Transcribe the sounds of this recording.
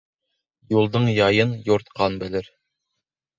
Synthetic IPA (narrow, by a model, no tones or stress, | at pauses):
julˠd̪ɤɴjɑjɤnjoɾt̪qʰɑnbɘ̆lɘɾ